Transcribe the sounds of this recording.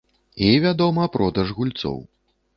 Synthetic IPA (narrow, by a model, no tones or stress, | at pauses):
ivʲad̪ɔmɐpɾɔd̪ɐʐɣulʲt̪sɔ̰w